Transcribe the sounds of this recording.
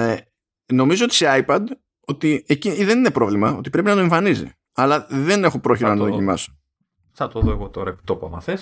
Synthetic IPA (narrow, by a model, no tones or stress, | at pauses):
no̞mizo̞ot̪ise̞ɐjpɐd̪ | o̞t̪ieciiðe̞nine̞pɾo̞vlimɐo̞̰t̪i̥pɾe̞pinɐt̪oeɱfɐnizḭ | ɐlɐðe̞ne̞xo̞pɾo̞çiɾɐnɐt̪oðocimɐ̰so̥ | θɐt̪oðoeɣot̪o̞ɾɐepi̥t̪opɐmɐ̰θes